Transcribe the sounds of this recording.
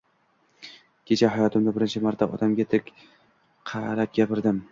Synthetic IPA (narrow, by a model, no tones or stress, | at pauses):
kʲʰe̞t͡ʃʰaɦajɒt̪ʰɪmd̪abɪɾɪnt͡ʃʰɪmaɾt̪ʰːa̰ʔɒ̰d̪amɡʲat̪ʰɪɪkʲ | qʰɑɾap̚ɡʲapɪɾd̪ɪm